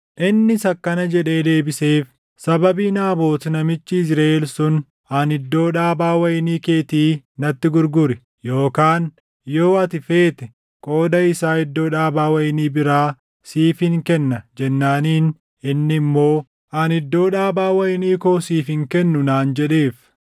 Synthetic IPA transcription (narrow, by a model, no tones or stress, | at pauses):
ʔɪnːɪsɐkːɐnɐd͡ʒɛᶑe̞ːd̪e̞ːbɪseːf | sɐbɐbiːnaːbo̞ːt̪nɐmɪt͡ʃːɪɪsɾaelsʊn | ɐnɪd̪ːo̞ːᶑaːbaːwɐjɪniːke̞ːt̪iːnɐt̪ːɪɡʊɾɡʊɾɪ | jo̞ːkaːn | jo̞ːɐt̪ɪfe̞ːt̪ɛ | kʼo̞ːd̪ɐɪsaːɪd̪ːo̞ːᶑaːbaːwɐjɪniːbɪɾaː | siːfɪŋkɛnːɐd͡ʒɛnːaːniːn | ɪnːɪmːo̞ː | ɐnɪd̪ːo̞ːᶑaːbaːwɐjɪniːkoːsiːfɪŋkɛnːʊnaːnd͡ʒɛᶑe̞ːf